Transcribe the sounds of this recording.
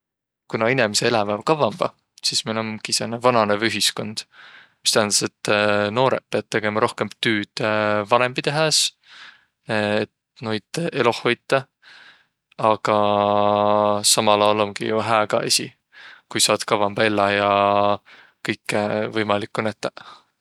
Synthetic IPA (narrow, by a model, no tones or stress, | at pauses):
kunɑinemeseelɑvɑvkɑvɑmb̥ɑ̰ | sismilomɡiisenevɑnɑnevyɦisko̞nd̪̥mist̪æhænd̪ɑse̞t̪ːno̞ːɾet̪̚pe̞ɑd̥̪̚t̪e̞ɡ̥e̞mɑɾo̞hke̞mt̪yːd̪̥evɑɾe̞mb̥it̪eɦes | et̪ | nojd̪ʔe̞lo̞ho̞jt̪ːˑɑ | ɑɡ̥ɑ | sɑmɑlɑːlo̞ŋɡ̥ḭjuɦæːɡɑ̰esʲḭ | kujsɑːd̪̥kɑvɑmb̥ɑe̞lːɑjɑ | kɤjkːˑevɤjmɑlikːunæt̪ːˑe